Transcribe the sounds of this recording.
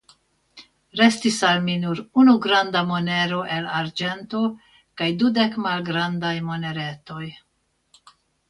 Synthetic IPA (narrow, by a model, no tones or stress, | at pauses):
ɾe̞stisalminuɾunuɡɾandamo̞ne̞ɾo̞ʔe̞laɾd͡ʒe̞nto̞ | kajdude̞kmalɡɾand̪ajmo̞ne̞ɾe̞t̪o̞j